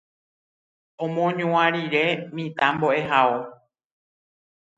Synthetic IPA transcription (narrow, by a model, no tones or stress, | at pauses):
õmõɲũãɾiɾe̞mĩt̪ãmboʔe̞ɦao